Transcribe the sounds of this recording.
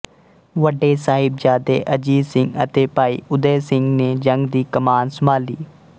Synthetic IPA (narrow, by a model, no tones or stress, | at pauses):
ʋəɖeːsaːɦɪbd͡ʒaːd̪ḛːʔəd͡ʒiːsɪ̃ŋɡət̪eːpaːḭːʊd̪eːsɪŋɡneːd͡ʒəŋɡd̪iːkəmaːnsəmaːlḭː